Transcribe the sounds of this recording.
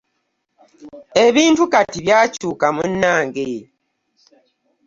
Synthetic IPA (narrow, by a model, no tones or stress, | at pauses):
e̞βiːntukatiβjaːcuːkamunːaːŋɡe